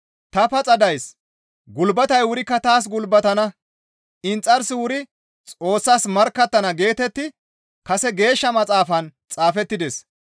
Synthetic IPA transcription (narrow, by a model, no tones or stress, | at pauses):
t̪ɐpɐt͡sʼɐd̪ɐjs | ɡʊlbɐt̪ɐjwʊɾɪkːɐt̪aːs̬ɡʊlbɐt̪ɐnɐ | ɪnt͡sʼːɐɾsɪwʊɾɪ | t͡sʼo̞ːsːaːsmɐɾkːɐt̪ːɐnɐɡe̞ːt̪ɛt̪ːɪ | kɐsɛɡe̞ːʃːɐmɐt͡sʼaːfɐnt͡sʼaːfɛt̪ːɪd̪ɛs